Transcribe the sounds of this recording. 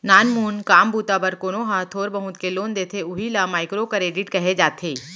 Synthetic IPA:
naːnmuːnkaːmbuːt̪abɐɾkoːnoɦãt̪ʰoːɾbɐɦʊ̃t̪keloːnd̪eːt̪ʰeʊɦilamaːɪkɾokɐɾeːɖɪʈkɐɦed͡ʒaːt̪ʰeː

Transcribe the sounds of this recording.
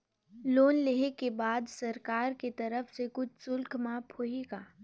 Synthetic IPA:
loːnleɦekebaːd̪sɐɾkaːɾket̪ɐɾəfsekʊt͡ʃʰsʊlkʰmãːpʰoːɦeːɡaː

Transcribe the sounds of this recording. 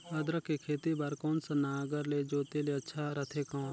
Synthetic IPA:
əd̪ɾəkːekʰeːt̪ibaːɾkɔːnsanaːɡəɾled͡ʒoːt̪eːleətːʃʰaɾət̪ʰekaː

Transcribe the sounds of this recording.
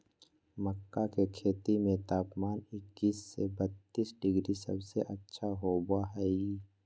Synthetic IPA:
məkːakekʰeːt̪imẽt̪aːpmaːnɪkːiːsːebət̪ːiːsɖɪɡɾisə̰bseʔətːʃʰaɦobaɦɛi

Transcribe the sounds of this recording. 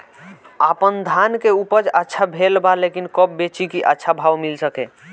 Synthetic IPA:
apənd̪ʱankeupəd͡ʒətːʃʰabʱelbalekinkəb̚bet͡ʃikiʔətːʃʰabʱawmilsəke

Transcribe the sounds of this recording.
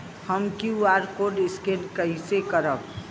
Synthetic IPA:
həmkiaɾkoɖɪskelkəɦisekəɾəb̚

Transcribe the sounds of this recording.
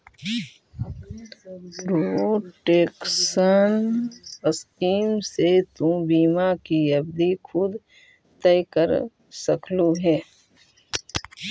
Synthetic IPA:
pɾoʈeːksənəskiːmset̪ũbiːmakijəbd̪ikʰʊd̪ | t̪ɛɪkəɾ | səkʰluɦɛː

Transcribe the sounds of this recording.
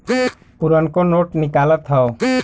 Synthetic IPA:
puɾənkonoʈnikalət̪ʰːao

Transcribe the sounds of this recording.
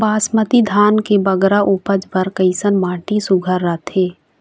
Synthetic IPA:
baːsmət̪id̪ʱaːnkebɐɡɾaʔupəd͡ʒʋəɾkəɪsənmaːʈisʊɡʱəɾːat̪ʰeː

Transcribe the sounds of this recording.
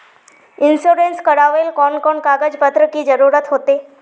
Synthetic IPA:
insoɾenskəɽaʋelkɔnkɔɳkaɡəd͡ʑpət̪ɾəkiːd͡ʑəɾuɾət̪ɦot̪e

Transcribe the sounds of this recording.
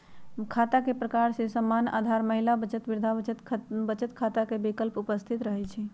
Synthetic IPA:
kʰat̪akepɾəkaɾsesəmːana̰d̪ʱaɾməɦilabət͡ʃət̪ʋiɾd̪ʱaət͡ʃət̪ʰbət͡ʃət̪kʰat̪akebikəlpupəst̪ʰit̪ɾəɦɛt͡ʃʰɛ

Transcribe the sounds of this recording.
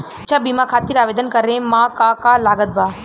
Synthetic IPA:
t͡ʃʰabimãkʰaːt̪iɾaːʋeːd̪ənkɐɾẽmãkãkalaːɡət̪̚baː

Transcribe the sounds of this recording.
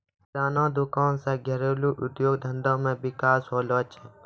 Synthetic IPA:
ɾaːnãːd̪ʊkaːnsẽːɡʱəɾeːluːʔʊd̪joːɡd̪ʱə̃nd̪ãːmẽːʋɪkaːsɦoːloːt͡ʃeː

